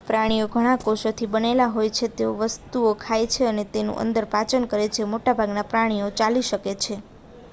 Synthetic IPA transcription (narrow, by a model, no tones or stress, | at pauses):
pɾaɽ̃ioɡʱəɽ̃ãkoʃot̪ʰibənelaɦojt͡ʃʰet̪eoʋəst̪uokʰajt͡ʃʰeənet̪enṵ̃ʔə̰nd̪əɾpat͡ʃənkəɾet͡ʃʰemoʈabʱaɡnapɾaɽ̃ijot͡ʃaliʃəket͡ʃʰe